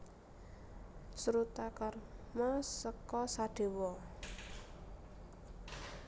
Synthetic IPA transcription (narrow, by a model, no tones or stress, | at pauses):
sɾut̪akarmɔsəkɔsaɖ̥e̤wɔ